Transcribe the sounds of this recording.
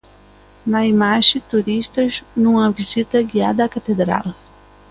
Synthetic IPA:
nɐimaʒit̪uɾiʃt̪ɐznũŋɐvizit̪ɐɡia̰d̪ɐːkat̪ed̪ɾa̰l

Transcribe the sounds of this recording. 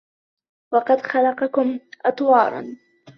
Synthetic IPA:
wɑqɑd̪xɑlɑqɑkʊmʔɑt̪ˤwɑːɾˤɑ̰n

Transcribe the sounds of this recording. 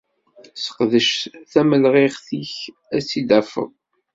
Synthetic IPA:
sə̥qðəʃθæməlʁeʁθiç | æsid̪æfə̰ðˤ

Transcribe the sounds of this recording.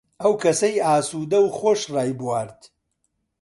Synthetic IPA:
ʔɐwkʰɐsɐjaːsuːd̪ɐwχoːʃraːjbwaːɾt̪

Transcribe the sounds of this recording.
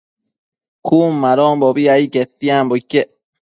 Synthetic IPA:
kʰumːaɾɔːmbɔbiaiket̪ːiambokːe

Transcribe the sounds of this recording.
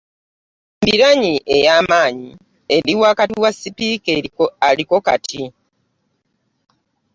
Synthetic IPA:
mbiɾaɲiʔe̞jaːmaːɲi | eɾiwakatiwasːipiːkealiko̞ka̰tʰi

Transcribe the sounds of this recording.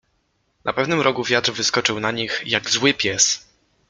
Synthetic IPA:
nʔa̰pɛvnɘmɾʔɔkuvʲjat̪ɾvɘskɔt͡ʂɘwnaɲixjaɡzwɘpʲjɛs

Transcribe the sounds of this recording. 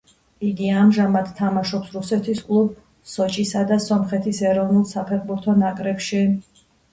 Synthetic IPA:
iɡiamʒamad̪̥t̪ʰamaʃɔpsɾusɛt̪ʰiskʼlˠub | sɔt͡ʃʼisad̪asɔmχɛt̪ʰisɛɾɔvnulˠsapʰɛɾbuɾt̪ʰɔnakʼɾɛpʃi

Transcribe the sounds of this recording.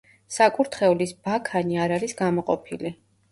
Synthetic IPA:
sakʼuɾt̪ʰχɛulisbakʰaniaɾaɾisɡamɔqʼɔpʰili

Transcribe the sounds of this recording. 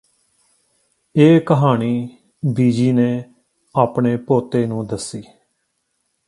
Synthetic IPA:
eːkəɦaːɳiː | biːd͡ʒiːneː | aːpɳeːpoːt̪eːnũːd̪əsiː

